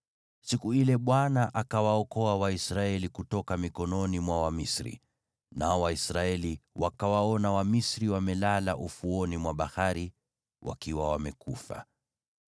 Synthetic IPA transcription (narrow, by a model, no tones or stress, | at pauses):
sikuilɛɓwanaʔakawaɔkɔawaisɾaɛlikutɔkamikɔnɔnimwawamisɾḭ | naɔwaisɾaɛliwakawaɔnawamisɾiwamɛlalaʔufuɔnimwaɓahaɾi | wʔa̰kiwawamɛkufa̰